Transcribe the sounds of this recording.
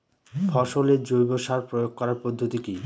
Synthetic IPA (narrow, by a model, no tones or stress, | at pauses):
fʰɔʃoled͡ʑojboʃaɾpɾojoɡ̚kɔɾaɾpod̪ʱːot̪iki